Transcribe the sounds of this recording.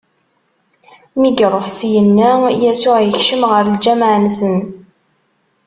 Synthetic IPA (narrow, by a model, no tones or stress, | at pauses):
miɡɾˤoħsjənːæjæsʊʁjəçʃəmʁəɾld͡ʒæmʕnsən